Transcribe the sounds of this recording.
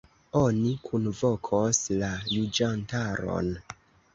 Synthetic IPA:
onikʰunvokʰoslalud͡ʒantaɾo̰n

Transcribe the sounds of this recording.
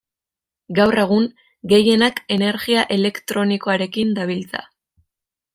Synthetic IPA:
ɡawre̞ɣ̞uŋ | ɡe̞je̞nake̞ne̞ɾɣiaʔe̞le̞kt̪ɾo̞niko̞aɾe̞kind̪aβ̞ilt͡sa̰

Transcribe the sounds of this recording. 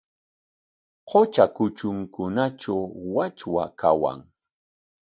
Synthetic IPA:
qʰot͡ʃakʊt͡ʃʊŋkʊnaʈ͡ʂawwat͡ʃwakʰawa̰ŋ

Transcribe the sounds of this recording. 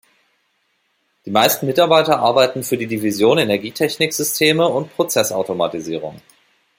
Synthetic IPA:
d̥iːmaɪstn̩mɪtaɐbaɪtɐʔaɐbaɪtn̩fyːɐdiːdivizjoːnenɛɐɡiːtʰɛçnɪkz̥ʏstʰeːməʊntpʁ̥ot͡sɛsa̰ʊtoma̰tiziːʁ̞ʊ̰ŋ

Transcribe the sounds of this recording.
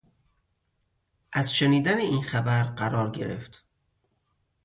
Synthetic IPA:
ʔæzʃeniːd̪æneiːnxæbæɾɢæɾɒːɾɟe̞̰ɾḛft̪

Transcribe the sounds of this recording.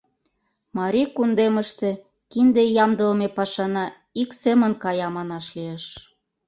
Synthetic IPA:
mɑɾʲikund̪eməʃt̪ĕ | kind̪ejɑmd̪əlmepɑʃɑnɑ | iksemə̆nkɑjɑmɑnɑʃlieʃ

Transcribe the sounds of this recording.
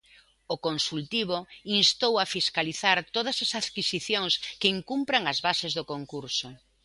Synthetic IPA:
ʊkonsult̪iβoinst̪owafiskaliθaɾt̪oð̞ɐsasaðkisiθjoŋskɪiŋkumpɾaŋɐzβasɪzðʊkoŋkuɾsʊ

